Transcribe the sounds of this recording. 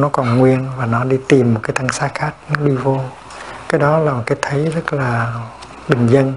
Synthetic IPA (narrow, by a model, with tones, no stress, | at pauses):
nɔ˨˦kɔ˨˩nŋwi˧ənvaː˨˩nɔ˨˦ɗi˧t̪i˨˩mːo˨˩t̚kaː˨˦t̪a˧ŋsaː˨˦˥xaː˦˥k̚nɔ˨˦ɗi˧vo˧ | kaː˨˦jɗɔ˨˦laː˨˩mo˨˩t̚kaː˨˦jt̪ʰə˨˦jzə˦˥t̚laː˨˩ | ɓï˨˩ŋ̟zə˧n